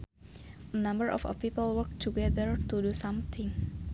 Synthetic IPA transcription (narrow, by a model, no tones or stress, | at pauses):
ʔənãmbəɹʔɔ̰fə̰fpipəlwəɹk̚t̪ʰuɡɛd̪əɹt̪udusʌ̃mt̪ʰɪ̃ŋ